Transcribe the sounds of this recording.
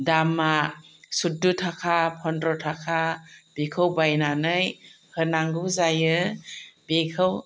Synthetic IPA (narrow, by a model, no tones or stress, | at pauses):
damasudutʰakʰapʰɔndɾɔtʰakʰab̥ekʰɯwbajnanɯj | hɯnaŋɡuzajɯ | bekʰɯw